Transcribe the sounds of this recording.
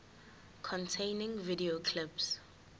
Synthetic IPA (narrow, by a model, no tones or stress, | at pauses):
kʰɔ̃ntʰẽɪnɪ̃ŋvidiokʰlɪps